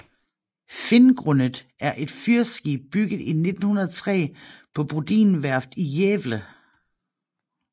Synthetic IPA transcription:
fe̝nɡ̥ʁɔnəð̩ˠ | æɐʔe̝d̥fyɐsɡ̥iːb̥̚b̥yɡ̥ð̩ˠine̝d̥n̩hunɐðˠt͡sʰʁɛ̰ːpʰɒ̽b̥ud̥ḭːnʋæɐfd̥ijeːʋlə

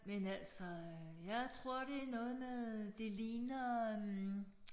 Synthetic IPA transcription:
menæl̰sɒjɑ̈ɪt͡sʰʁo̝ɐ̰ɾ̥e̝nɔ̽ːð̞̩ˠmeðˠd̥e̝liːnɐ

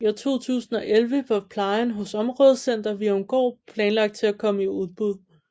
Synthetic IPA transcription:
æt͡sʰo̝̰ːt͡sʰṵːsn̩ɒ̽ʔelʋəpʰɒpʰlɑ̈ɪnɦɔ̽sɒ̽mʁɔ̽ːð̞ˠsen̰d̥ɐʋiɔ̽mɡ̥ɒ̰ːpʰlɛːnlɑ̈ɡ̥d̥̚t͡sʰe̝lækʰɒ̽məiuð̞ˠb̥uð̞ˠ

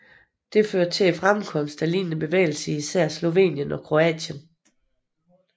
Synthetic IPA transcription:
d̥e̝føːɐt͡sʰe̝læfʁamkʰɒ̽m̰sd̥ælḭːnnəb̥e̝ʋḛːɪl̩səisæɐ̰slo̝ʋe̝̰ːnjənɒ̽kʰʁo̝ɛ̰ːɕən

